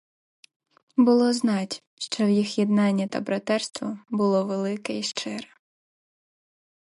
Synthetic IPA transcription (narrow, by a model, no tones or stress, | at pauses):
bʊlˠɔznɑtʲ | ʃt͡ʃɔwjixjɛd̪̚nɑnʲːɐt̪ɐbɾɐt̪ɛrst̪ʋɐbʊlˠɔʋelˠɪkɛiʃt͡ʃɪɾɛ